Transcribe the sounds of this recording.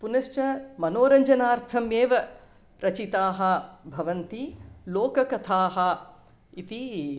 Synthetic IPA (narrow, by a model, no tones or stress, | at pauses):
punɐʃt͡ʃɐmɐnoːɾɐɲd͡ʒɐnaːɾt̪ʰɐmeːʋɐ | ɾɐt͡ʃit̪aːɦɐ̆bʱɐʋɐnt̪iloːkɐkɐt̪ʰaːɦɐ | it̪i